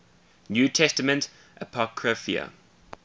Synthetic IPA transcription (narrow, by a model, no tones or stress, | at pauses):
njuːtʰɛstəmə̃nt | ʔəpʰɔkʰɹəfḭə̰